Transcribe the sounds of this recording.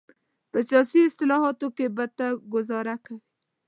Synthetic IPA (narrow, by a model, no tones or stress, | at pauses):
pəsjɑːsiɪst̪ɪlɑɦɔt̪okebat̪aɡʊzɑːɾakawi